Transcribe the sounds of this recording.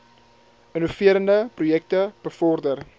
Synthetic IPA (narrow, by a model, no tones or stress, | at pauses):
ənufiəɾəndəprujɛk̚təb̥əfɔrdər